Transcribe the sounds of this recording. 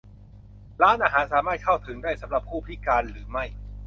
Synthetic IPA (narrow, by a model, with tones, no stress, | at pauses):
ɾaː˦˥nʔaː˧ɦaː˩˦nsaː˩˦maː˥˩t̪̚kʰa˥˩wt̪ʰɯ˩˦ŋdaː˥˩jsa˨˩˦mɾa˨˩p̚ʰːuː˥˩˧i˦˥kaː˧nɾɯː˩˦ma˥˩j